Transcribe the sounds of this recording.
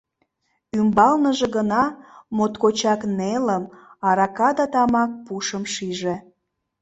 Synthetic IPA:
ymbɑlnəʒeɣənɑmot̪kot͡ɕɑkneləmɑɾɑkɑd̪ɑt̪ɑmɑk̚puʃəmʃiʒe

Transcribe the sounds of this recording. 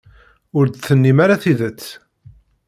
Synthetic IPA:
ʊɾd̪θənːimaɾaθiðət͡sː

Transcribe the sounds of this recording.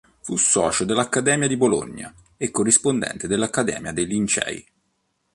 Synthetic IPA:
fusːɔ̰ːt͡ʃod̪elːakːad̪ɛːmjad̪ibolo̰ɲːa̰ | ekːorːispond̪ɛ̰nt̪ed̪elːakːad̪ɛ̰ːmjad̪elint͡ʃɛ̰ːj

